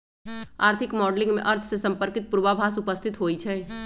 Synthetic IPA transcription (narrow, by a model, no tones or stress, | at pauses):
aːɾt̪ʰɪkmɔːɖlɪ̃ŋɡmḛ̃ʔɐɾt̪ʰsesɐ̃mpəɾkɪt̪̚puɾʋabʱaːsʊpəst̪ʰɪt̪ɦoːit͡ʃʰɛː